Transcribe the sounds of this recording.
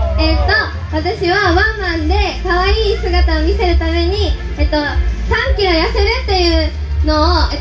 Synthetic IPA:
et̪ːo̞ | βat̪aɕiβaβãmːãnd̪e̞kaβaiːsɨɡat̪aomʲise̞ɾɯ̟t̪ame̞ɲ̟i | et̪ːo̞sãŋkʲiɾojaseɾɯ̟t̪ːe̞jɯ̟ː | no̞ːe

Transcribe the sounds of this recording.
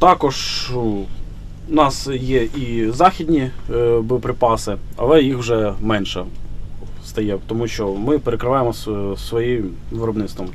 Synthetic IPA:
t̪ɑkɔʒ | ʊnɑsjɛʔizɑxʲid̪ʲnʲibɪɔpɾɪpɑsɪɐ̰lˠɛjixʒʐɛmɛnʃɛ | st̪ɐjɛt̪ɔmuʃt͡ʃɔmɪpeɾekɾɪʋɑjemɔssʋɔji | ʋɪɾɔbnɪt̪st̪ʋɔm

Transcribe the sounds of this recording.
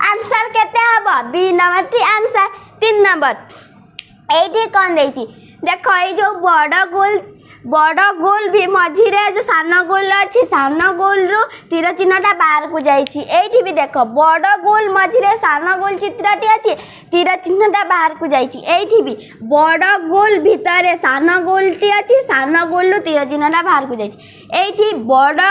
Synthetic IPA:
ansaɾket̪eɦɔbɔbinɔʋaʈiansaɾt̪inːəmbəɾ | eiʈikɔnd̪ejt͡ʃʰi | d̪ekʰɔid͡ʒobɔɽɔɡol | bɔɽɔɡolbʱimɔd͡ʒʱiɾed͡ʒosanɔɡolɔt͡ʃʰisanɔɡolɾut̪iɾɔt͡ʃinɔʈabaɾkud͡ʒajt͡ʃʰiʔeiʈʰibid̪ekʰɔbɔɽɔɡolmɔd͡ʒʱiɾesanɔɡolt͡ʃit̪ɾɔʈiat͡ʃʰi | t̪iɾɔt͡ʃinɔʈabaɦaɾkud͡ʒajt͡ʃʰiʔeiʈʰibi | bɔɽɔɡolbʱit̪ɔɾesanɔɡolʈiat͡ʃʰisanɔɡolɾut̪iɾɔt͡ʃinɔʈabʱaɾkud͡ʒajt͡ʃʰi | eiʈibɔɽɔ

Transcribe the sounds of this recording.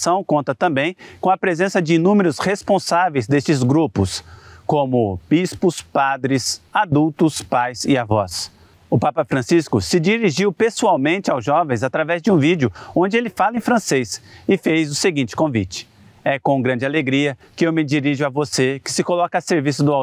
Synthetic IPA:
sɐ̃w̃kõnt̪ɐt̪ɐ̃mbẽj̃kõw̃ɐpɾezẽsɐd͡ʒɪinũmeɾʊshespõsavejzd̪est͡ʃɪzɡɾupʊskõmʊb̥ispʊspad̪ɾɪsad̪uwt̪ʊspajzɪavɔs | ʊpapɐfɾɐ̃siskʊsɪd͡ʒiɾiʒiwpesuawmẽnt͡ʃɪawzʒɔvẽj̃zat̪ɾavɛzd͡ʒɪũvid͡ʒʊõnd͡ʒɪelɪfalɐẽj̃fɾɐ̃sejsɪfejzʊseɡĩt͡ʃɪ̥kõvḭt͡ʃɪ̥ | ɛkõɡɾɐ̃d͡ʒɪaleɡɾiɐkɪewmɪd͡ʒiɾiʒʊavosekɪ̥sɪkolɔkɐaseɾvisʊd̪ʊa

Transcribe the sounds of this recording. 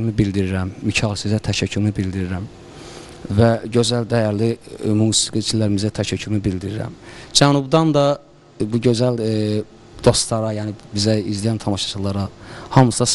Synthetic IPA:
mibild̪iɾiɾæmːicʰɑːlˠsizæt̪ʰæʃæcʰːymibild̪iɾiɾæm | væɟø̞zæld̪æjæɾlimuːsiɡit͡ʃʰilːæɾimizæt̪ʰæʃæcʰːymibild̪iɾiɾæ̰md͡ʒænubd̪ɑnd̪ɑ | buɟø̞zæl | d̪̥o̞st̪lˠɑɾɑjæːnibizæizd̪ijænt̪ʰɑmɑʃɑ̥t͡ʃ̪ʰɯlˠɑɾɑhɑmsɑs

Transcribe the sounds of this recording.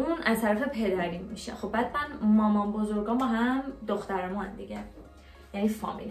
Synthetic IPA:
unʔæzt̪ʰæɾæfe̞pʰe̞d̪æɾimmiʃæ̰mxo̞b̚ːæːd̪mænmɒːmɒnbo̞zo̞ɾɡɒːmbɒːɦæmd̪oxt̪æɾemunænd̪iɟæ | jænifɒ̰mḭl

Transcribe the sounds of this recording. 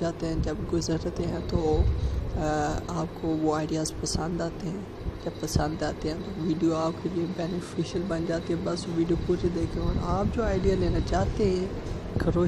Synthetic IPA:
aːt̪eɦɛ̃nd͡ʑɐbɡʊzəɾt̪eɦɛ̃t̪ʰo | aːpkoʋoaːɪɖijaːzpɐsə̃nd̪aːt̪eɦɛ̃n | d͡ʑɐbpːɐsə̃nd̪aːt̪eɦɛ̃nt̪ʰoʋiːɖijoaːpkʰeːliebeːnɪfiʃəlɓɐnd͡ʒaːt̪eɦɛ̃bɐsʋiːɖijopud͡ʑed̪eːkʰonaːp̚d͡ʑoːaːɪɖijaːlẽːnɐd͡ʒaːt̪eɦɛ̃ | kʰɐɾoː

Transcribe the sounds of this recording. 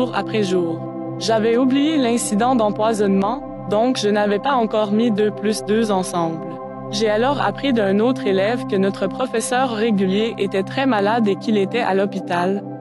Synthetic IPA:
ʁa̰pχɛʒuːʁ | ʒavɛublijelɛ̃sid̪ɑ̃d̪ɑ̃pwazɔnmɑ̃ | d̪ɔ̃kʒənavɛpaɑ̃kɔːʁmid̪øplysd̪øzɑ̃sɑ̃bl | ʒealɔːʁa̰pχid̪œ̃noːt̪χelɛvkənɔt̪χəpχɔfɛsœʁːeɡʲyljeʔet̪ɛt̪χɛmalad̪ekʲilet̪ɛʔa̰lɔpit̪al

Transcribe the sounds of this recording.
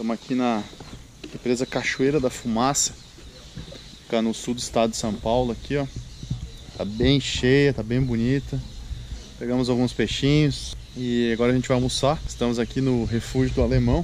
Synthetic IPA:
t̪ɐ̃mʊakʰinɐ | ẽpɾezɐkaʃuejɾɐd̪ɐfumasɐ̥ | kanʊsuwd̪ʊɪst̪ad̪ʊd̪d͡ʒɪsɐ̃w̃pawlʊɐkʰiɔ | t̪abẽj̃ʃejɐt̪abẽj̃bunit̪ɐ | peɡɐ̃mʊzawɡũspeʃĩɲʊs | ɪaɡɔɾɐʒẽnt͡ʃɪvajmusaɪ̥st̪ɐ̃mʊzakinʊɦefuʒʊd̪ʊalemɐ̃w̃

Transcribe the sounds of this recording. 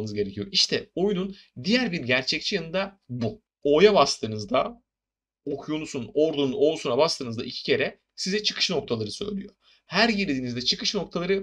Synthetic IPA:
nɯzɟe̞ɾecʰijoʔiʃt̪ʰɛo̞junun | d̪ijæɾbiɾɟæɾt͡ʃʰɛc̚t͡ʃʰijanɯnd̪abu | o̞jabast̪ʰɯːnɯzd̪a | okʰujonusuno̞ɾd̪ununo̞lˠsunabast̪ɯːnɯzd̪a̰icʰi̥cʰe̞ɾɛ | sizɛt͡ʃʰɯ̥kʰɯ̥ʃno̞k̚t̪ʰalˠaɾɯsø̞̰jlʲḭjo | hæɾjiɾd̪ed̪iːnizd̪ɛt͡ʃʰɯkʰɯʃno̞k̚t̪ʰalˠaɾɯ

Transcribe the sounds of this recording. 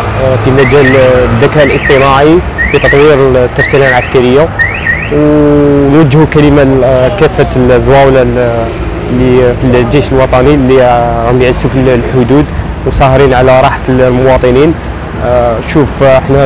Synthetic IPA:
fimːæd͡ʒæld̪ːækæʔlʔəsˤt̪ˤəmaʕi | fit̪ɑt̪ˤwiɾt̪ːɑɾˤsilælʕaskæɾəjːa | w | nwəd͡ʒːhukæləmakæfːæt̪lzwæwla | lːifild͡ʒejʃəlwɑt̪ˤɑnilːiɣæmjʕəsːufilħod̪ud̪ | wsˤɑhɾinʕalæɾˤɑħḁllmʊwɑt̪ˤənin | ʃufəħnæ

